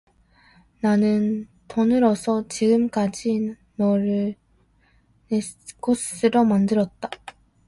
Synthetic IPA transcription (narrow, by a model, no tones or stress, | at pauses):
nanɯn | tʌnɯɾʌsʰʌt͡ɕiɡɯmk͈ad͡ʑi | nʌɾɯ | ne | k͈os͈ɯɾomandɯɾʌt̚t͈ḁ